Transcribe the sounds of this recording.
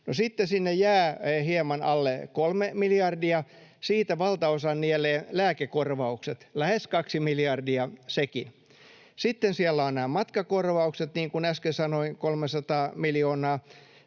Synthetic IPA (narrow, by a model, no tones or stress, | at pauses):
nosit̪ːesinːejjæːhiemɑnɑlːekolmemilijɑrdiɑsiːt̪æʋɑlt̪ɑosɑnnieleːlæːkekorʋɑukset̪læheskɑksimilijɑrdiɑsekin | sit̪ːensielːæonnæːmɑt̪kɑkorʋɑukset̪niːŋkunæskesɑnoiŋkolmesɑt̪ɑːmiljoːnɑː